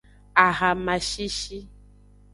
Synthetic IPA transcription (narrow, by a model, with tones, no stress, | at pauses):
a˨ɣa˨mã˨ʃi˦ʃi˦